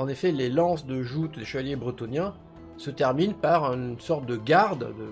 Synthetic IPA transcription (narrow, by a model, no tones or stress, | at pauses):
ɑ̃nefɛlelɑ̃sd̪əʒut̪leʃəvaljebʁət̪ɔnjɛ̃ | sət̪ɛʁminpaʁysɔʁt̪̚d̪əɡaʁd̪d̪ə